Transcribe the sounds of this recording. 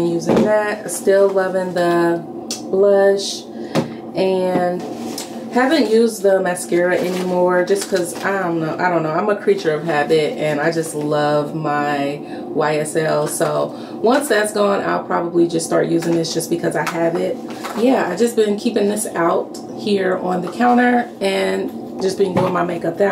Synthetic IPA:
ɨ̃njʉzɪ̃ŋðæt̚stɪlˠlʌvɪ̃ŋðə | b̥lʌʃ | ɨ̃n | hævɨ̃nʔjʉzðəmæskɛɹɨʔɛnimɔɹd͡ʒʌskʰʌza̰aɪɾõnoʊʔaɪɾõʊ̃nːoãɪ̃məkʰɹ̥it͡ʃə˞ʌv̥ɦæbɪt̚ɨ̃naɪd͡ʒʌstˡlʌvmaɪ | waɪɛsɛlˠsoʊ | wʌ̃nsðætsɡ̥ɔ̃na̰ɪlˠpʰɹ̥ɑbəblid͡ʒʌstɑɹʔjʉzɪ̃ŋðɪsd̥ʒ̥ʌsb̥ɨkʰʌzaɪɨvɪt̚ | jæa̰ɪvd͡ʒʌsb̥ɨ̃nkʰipɪ̃ŋðɪsaʊt̚ | hiɹə̃nðɨkʰãʊ̃ɾ̃ə˞ɨ̃n | d͡ʒʌsb̥iɪ̃ŋbʊɪ̃ŋmaɪmeɪkʌp̚ðɨ

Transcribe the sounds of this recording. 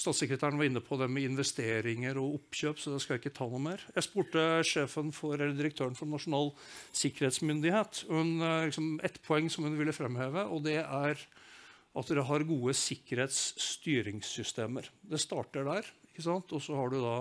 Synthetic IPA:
st̪ɑːt̪sɛkɾət̪ʰæːɾəɳəʋɑɾɪnːəpʰɔd̪ɛmɛɪnʋɛst̪eːɾɪŋəɾɔʊpːɕøːpsɔd̪ɛskɑjæɪkːət̪ʰɑːnuːmeːɾjæɪspuːʈəʂeːfənfɔɾɛlːəɖ̪ɪɾəkt̪ʰøːɾəɳfɔnɑʂʊnɑːlsɪkːəɾheːt̪smʏnd̪ɪheːt̪hʉnlɪksɔmʔɛt̪pʰɔɛŋːsɔmhʉnʋɪlːəfɾɛmheːʋəʔɔd̪ɛæɾ | ʔɑt̪d̪ɛɦɑɾɡuːəsɪkːəɾheːt̪st̪yːɾɪŋssʏst̪eːməɾd̪ɛst̪ɑːʈəɖæɾɪkːəsɑnt̪ɔsɔhɑɖʉd̪ɑ

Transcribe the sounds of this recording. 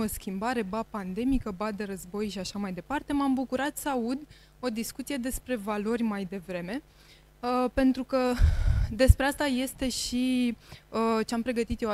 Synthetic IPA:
oskʲimbaɾe̞bapand̪e̞mikəbad̪e̞ɾəzbo̞jʃiaʃamajd̪e̞part̪e̞mambukuɾat̪səaud̪ | o̞d̪iskut̪sije̞d̪e̞spɾe̞valo̞rʲmajd̪e̞vɾe̞me̞ | pe̞nt̪ɾukə | d̪e̞spɾe̞ast̪aje̞st̪e̞ʃi | ət͡ʃeampɾe̞ɡət̪it̪jea

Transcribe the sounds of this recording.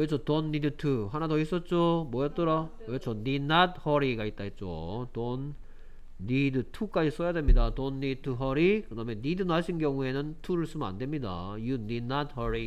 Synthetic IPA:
et͡ɕʰotonːidɯtʰuɦanadois͈ʌt̚t͡ɕ͈omʌjʌt͈ɯɾa | et͡ɕʰʌninad̚hʌɾiɡait̚t͈ait̚t͡ɕ͈o̰tonː | idɯtʰuk͈ad͡ʑis͈ʌjadwe̞mɲidatonːitʰuɦʌɾikɯdame̞nidɯnaɕʰinɡjʌŋue̞nɯntʰuɾɯɭs͈umna̰ndwemɲida̰iuninad̚hʌɾi

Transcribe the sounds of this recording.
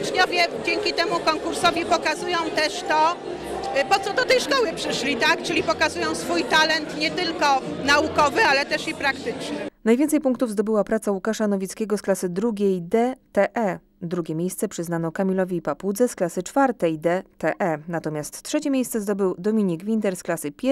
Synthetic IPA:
t͡ʂɲɔvʲjɛd͡ʑɛŋkʲit̪ɛmukɔŋkuɾsɔvʲipɔkazujɔ̃w̃t̪ɛʂt̪ɔ | pɔt̪sɔd̪ɔt̪ɛjʂkɔwɘpʂɘʂlʲit̪akt͡ʂɘlʲipɔkazujɔ̃w̃sfujt̪alɛnt̪ɲɛt̪ɘlkɔnaukɔvɘalɛt̪ɛʂipɾakt̪ɘt͡ʂɲɛnajvʲjɛnt̪sɛjpuŋk̚t̪uvzd̪ɔbɘwapɾat̪sawukaʂanɔvʲit̪skʲɛɡɔsklasɘd̪ɾuɡʲejd̪ɛt̪ɛʔɛ | d̪ɾuɡʲɛmʲjejst̪sɛpʂɘznanɔkamʲilɔvʲiːpapud̪zɛsklasɘt͡ʂfaɾt̪ɛjd̪ɛt̪ɛʔɛnat̪ɔmʲjast̪ːʂɛt͡ɕɛmʲjejssɛzd̪ɔbɘwd̪ɔmʲiɲiɡvʲint̪ɛɾsklasɘpʲ

